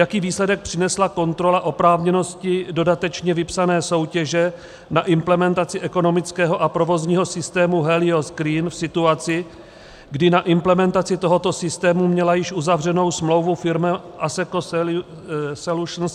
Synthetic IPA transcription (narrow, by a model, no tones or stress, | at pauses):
jakiːviːslɛdɛk̚pr̝̥ɪnɛslako̞nt̪ɾo̞laʔo̞pɾaːvɲɛno̞scɪdo̞dat̪ɛt͡ʃɲɛvɪpsanɛːso̞wcɛʒɛ | naʔɪmplɛmɛnt̪at͡sɪʔɛko̞no̞mɪt͡skɛːɦo̞ʔapɾo̞vo̞zɲiːɦo̞sɪst̪ɛːmuɦɛlɪoskɾiːnfsɪt̪uat͡sɪ | ɡdɪnaʔɪmplɛmɛnt̪at͡sɪt̪o̞ɦo̞t̪o̞sɪst̪ɛːmumɲɛlajɪʃʔuzavr̝ɛno̞wsmlo̞wvufɪɾmɛ | ʔasɛko | sɛluʃns